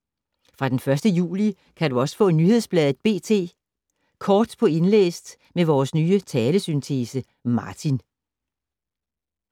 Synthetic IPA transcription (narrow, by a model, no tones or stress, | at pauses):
fʁɑ̈d̥enfɶɐsd̥əjṵːli | kʰæduɒ̽sə̥fɔ̰̽ːnyhe̝ð̞ˠsb̥lɛðˠð̩ˠb̥e̝̰ːt͡sʰe̝̰ː | kʰɒːd̥pʰɒ̽e̝nlḛːsd̥ | meʋɒːsnyːət͡sʰɛːləsynt͡sʰe̝sə | mɑ̈ːt͡sʰin